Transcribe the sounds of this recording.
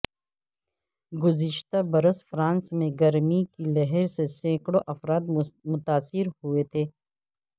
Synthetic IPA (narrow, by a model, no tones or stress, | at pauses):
ɡʊzɪʃt̪abɐɾəsfɾãːnsmẽɡɐɾmikilɐɦɛɾsesẽːkɽoʔɐfɾaːt̪mʊt̪aːsɪɾhuet̪ʰeː